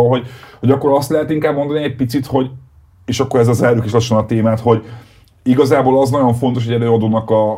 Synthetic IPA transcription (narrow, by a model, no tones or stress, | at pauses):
lɦo̞ɟho̞ɟɒkːo̞ɾɒst̪lɛɦɛt̪iŋkaːbmo̞nd̪ɒniɛɟ̚pit̪sit̪ho̞ɟ | eːʃɒkːo̞ɾɛzɛzɛlɾykiʃlɒʃːonɒt̪eːmaːt̪ho̞ɟ | iɡɒzaːboːlɒznɒɟo̞ɱfo̞nt̪o̞ʃ̬hoɛɾɛɒd̪oːnɒkɒ